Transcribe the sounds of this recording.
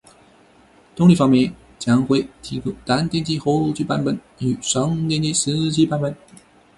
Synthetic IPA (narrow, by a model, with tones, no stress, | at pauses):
t̪ʊ˥ŋli˥˩fɑ˥ŋmjɛ˥˩n | t͡ɕjɑ˥ŋxwe˥˩ɪt̪ʰi˧˥ku˥t̪a˧˥nt̪jɛ˥nt͡ɕi˥xo˧˥ʊt͡ɕy˥˩pa˥npə˨˩˦n | y˨˩ʂɑ˧˥ŋt̪jɛ˥˧nt͡ɕi˥s̩˧˥˧t͡ɕi˥pa˥˧npə˨˩˦n